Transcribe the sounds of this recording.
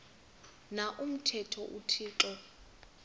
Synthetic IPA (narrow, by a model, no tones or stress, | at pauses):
naʔum̩tʰɛtʰɔʔutʰiːǃɛ